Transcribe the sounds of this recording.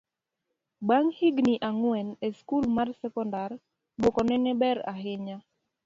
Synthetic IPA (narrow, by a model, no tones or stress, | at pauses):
baŋhiɡniʔaŋwɛneskulmarsɛkɔndar | bokɔnɛnɛbɛɾa̰ɦɪɲa